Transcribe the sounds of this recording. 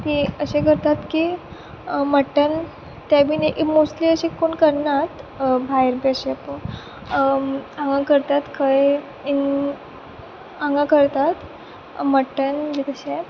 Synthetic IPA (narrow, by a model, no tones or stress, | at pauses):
t̪iəɕekəɾt̪at̪ki | məʈən | t̪jabʱiːneʔimosliəɕekoɳkəɾnat̪bʱajəɾbəɕeapə | ãŋɡãkəɾt̪at̪kʰaj | in | ãŋɡãkəɾt̪at̪ | məʈənd͡ʑit̪əɕe